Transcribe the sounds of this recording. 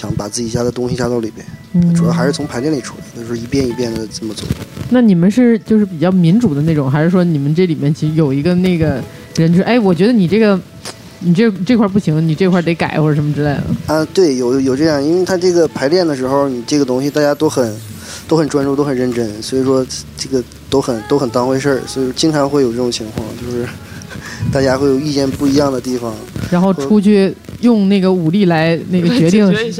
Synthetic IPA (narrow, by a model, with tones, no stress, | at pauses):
ɕjɑ˧˥ŋpa˨˩t͡sɹ̩˥˩t͡ɕi˨˩t͡ɕja˥d̪ə˨t̪ʊ˥ŋɕi˧t͡ɕja˥˧t̪ɑ˥˩ʊlḭ˨˩bjɛ̰˥nn̩˥˩ʈ͡ʂʰu˨˩la˧˥xa˧˥ɪʂɻ̩˥˩t͡sʰʊ˧˥ŋpʰa˧˥ɪljnli˨˩ʈ͡ʂʰu˨˩la˧˥ɪd̪t͡ɕo˥˩ʂɻ̩˥˧i˧˥pjɛ˥˧ni˧˥pjɛ˥˩nd̪ə˩ʈ͡ʂə˥˩mə˨˩t͡swɔ̰˥˩˧na˥˩ni˨˩mə˦nʂɻ̩˥˩t͡ɕjo˥˧ʊʂɻ̩˥˩pi˨˩t͡ɕjɑ˥˩ʊmi˧˥nʈ͡ʂu˨˩d̪ə˦ne˥˩ʈ͡ʂʊ˨˩˦ŋxa˧˥ʂɻ̩˥˩ʂwɔ˥ni˨˩mə˦nʈ͡ʂɤ˥˩li˨˩mjɛ˥˩nt͡ɕʰi˧˥ʂɻ̩˧˥jo˨˩ʊi˧˥ɡə˧ne˥˩ɡə˩ | ɻə˧˥nt͡ɕʰʔa˥˩ɪwɔ˨˩t͡ɕɥɛ˧˥d̪ə˧ni˨˩ʈ͡ʂɤ˥˩ɡə˩ | ni˨˩ʈ͡ʂɤ˥˩ʈ͡ʂɤ˥˧kʰwa˥˧˩p̬u˥˩ɕi˧˥ŋ˧ni˨˩ʈ͡ʂɤ˥˧kʰwa˥˩t̪e˧˥ɪka˨˩ɪxwɔ˥˩˨ʂə˧˥mə˧ʈ͡ʂɻ̩˥le˥˩ɪd̪ə̰˩ə˧t̪we˥˩ɪjo˨˩ʊjo˨˩ʊʈ͡ʂɤ˥˧jɑ˥˩ŋi˥nwe˥˧ɪt̪ʰa˥ʈ͡ʂɤ˥˩ɡə˩pʰa˧˥ɪljɛ˥˩nd̪ə˩ʂɻ̩˧˥xo˥˧ʊni˨˩ʈ͡ʂɤ˥˩ɡə˩t̪ʊ˥ŋɕi˨t̪a˥˩t͡ɕja˥t̪o˥ʊxə˨˩˦n | t̪o˥ʊxə˨˩nʈ͡ʂwa˥nʈ͡ʂu˥˧t̪o˥ʊxə˨˩nɻə˥˩nʈ͡ʂə˥nswɔ˧˥i˨˩ʂwɔ˥ʈ͡ʂɤ˥˩ɡə˩ | t̪o˥ʊxə˨˩nt̪o˥ʊxə˨˩nt̪ɑ˥ŋxwe˥˧ɪʂə˥˩swɔ˧˥i˨˩ʂwɔ˥t͡ɕi˥nʈ͡ʂʰɑ˧˥ŋxwe˥˩ɪjʊʈ͡ʂɤ˥˩ʈ͡ʂʊ˨˩ŋt͡ɕʰi˧˥ŋkʰwɑ˥˧ŋt͡ɕjo˥˧ʊʂɻ̩˥˧ | t̪a˥˩t͡ɕja˥xwe˥˩ɪjo˨˩ʊi˥˧t͡ɕjɛ˥˧npu˥˩i˧˥jɑ˥˩ŋd̪ə˩t̪i˥˩fɑ˨˩ŋɻa˧˥nxo˥˩ʊʈ͡ʂʰu˥t͡ɕʰy˥˩jʊ˥˧ŋna˥˩ɡə˩u˨˩li˥˩la˧˥ɪne˥˩ɡə˩t͡ɕɥɛ˧˥t̪i˥˩ŋ˥